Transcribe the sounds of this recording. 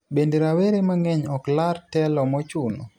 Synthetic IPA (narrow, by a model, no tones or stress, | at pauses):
bendeɾaweɾemaŋɛɲɔklaɾtɛlɔmɔt͡ʃunɔ̰